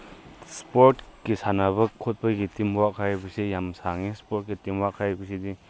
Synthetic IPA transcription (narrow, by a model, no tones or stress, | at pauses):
spoɾtkisʰanaβɐkʰːot̚pɐɡitimwaʔkʰabɯsijamsaŋispoɾt̚kitimwaʔkʰabɯsidi